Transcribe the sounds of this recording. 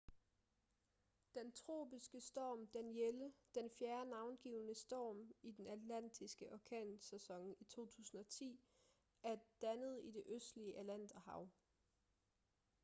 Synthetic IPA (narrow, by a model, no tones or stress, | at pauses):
d̥ent͡sʰʁo̝̰ːb̥isɡ̥əsd̥ɒ̰ːmd̥enjeləd̥enfjæɐnɑ̈ʊnɡ̥iːʊnəsd̥ɒ̰ːmid̥enæd̥læn̰d̥ʰisɡ̥əʔɒkʰɛ̰ːnsæsɒ̽ŋ̰it͡sʰo̝̰ːt͡sʰṵːsn̩ɒ̽t͡sʰḭː | æɐd̥ænəð̞̩ˠid̥e̝ʔøsd̥liəʔælæn̰d̥æhɑ̈ʊ